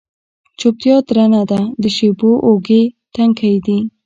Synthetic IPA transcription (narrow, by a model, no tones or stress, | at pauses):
t͡ʃop̚t̪jɑt̪ɾanad̪ad̪əʃeboʔoɡet̪aŋkʰaid̪i